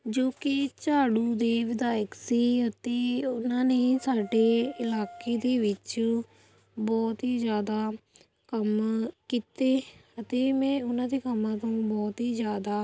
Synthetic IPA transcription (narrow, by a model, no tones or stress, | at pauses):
d͡ʒoːkɪt͡ʃaːɽũːd̪eːʋɪd̪aːjəksiːɦət̪eːʊnãːneːsaːɖeːɪlaːkeːd̪eːʋɪt͡ʃ | bɔːt̪ɦiːzjaːd̪aː | kəmkiːt̪eːɦət̪eːmɛ̃ːʊnãːd̪eːkəmːãːt̪õːbɔːt̪ɦiːzjaːd̪aː